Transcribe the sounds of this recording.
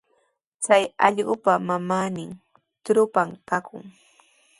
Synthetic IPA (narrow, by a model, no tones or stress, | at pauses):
t͡sajɑ̰ʎɢʊpamamaːnɪŋ | t̪ɾʊpamkakʊ̰ŋ